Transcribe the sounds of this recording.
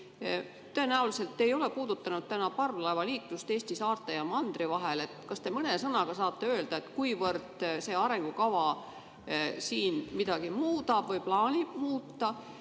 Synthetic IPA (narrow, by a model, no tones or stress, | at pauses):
t̪ːø̞e̞næulise̞lt̪ːejo̞le̞kuːd̪̥ut̪ːɑnud̪̥̚t̪ænɑpɑrvlɑevɑliːk̪lust̪eːst̪isɑːrt̪ːˑejɑmɑnd̪̥rivɑɦele̞t̪kɑst̪e̞mɤne̞sɤnɑɡ̥ɑsɑːt̪ˑːe̞øːld̪̥ɑet̪ˑkujvɤrd̪̥se̞ːɑɾe̞ŋɡ̥ukɑvɑ | siːnmid̪̥ɑɡ̥imuːd̪̥ɑb̥vɤjplɑːnʲib̥̚muːt̪ːɑ